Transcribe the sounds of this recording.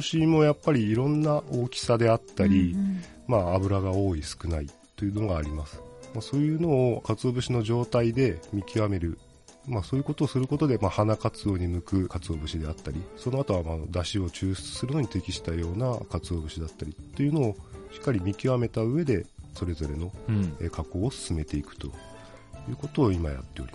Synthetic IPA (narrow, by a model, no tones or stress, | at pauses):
ɕimo̞japːaɾʲiːɾõ̞nːaʔo̞ːkʲi̥sad̪e̞at̪ːaɾʲi | maːbɯ̟ɾaɡao̞ːisɨ̥kɯ̟nait̪ːo̞jɯ̟no̞ɡaːɾʲimasɨ̥maso̞ːjɯ̟ːno̞ːkat͡sɨo̞ːbɯ̟ɕino̞ʑo̞ːt̪aid̪e̞mʲikʲiβame̞ɾɯ̟ | maso̞ːjɯ̟ko̞t̪o̞ːsɨɾɯ̟ko̞t̪od̪e̞mahanakat͡sɨo̞ːɲ̟imɯ̟kɯ̟kat͡sɨo̞bɯ̟ɕid̪e̞at̪ːaɾʲiso̞no̞at̪o̞βamad̪aɕio̞t͡ɕɨːɕt͡sɨ̥sɨɾɯ̟no̞ɲit̪e̞kʲiɕi̥t̪ajo̞ːnakat͡sɨo̞ːbɯ̟ɕid̪at̪ːaɾʲit̪ːe̞jɯ̟no̞ːɕi̥kːaɾʲimʲikʲiβame̞t̪aɯ̟e̞d̪e̞so̞ɾe̞zo̞ɾe̞no̞eːkʰako̞ːsɨ̥sɨme̞t̪e̞ikɯ̟̥t̪o̞̰ | jɯ̟ːko̞t̪o̞ːimaja̰t̪ːe̞o̞̰ɾi